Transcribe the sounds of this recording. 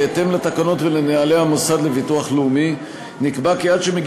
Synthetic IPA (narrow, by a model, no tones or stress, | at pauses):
ete̞mlat̪akano̞tveleneale̞hamosad̪le̞vituaχleumi | nikbakeat̪ʃemeɡ